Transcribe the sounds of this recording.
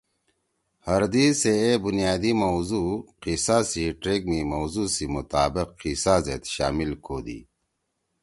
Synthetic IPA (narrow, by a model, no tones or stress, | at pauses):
hɐɾd̪iːseebunjaːd̪imowzuːqisasiʈɾeɡ̚mimowzusimut̪aːbiqːisaːzḛt̪ɕa̰ːmilkʰoːd̪ḭː